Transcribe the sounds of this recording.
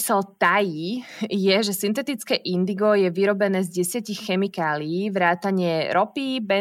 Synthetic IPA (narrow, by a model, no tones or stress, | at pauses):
sɛlt̪ajijɛʒɛsint̪ɛt̪it͡skɛːʔind̪iɡɔjɛʋiɾɔbɛnɛːzɟɛsɪacixxɛmikaːliːʋɾaːt̪aɲɪɛɾɔpibɛ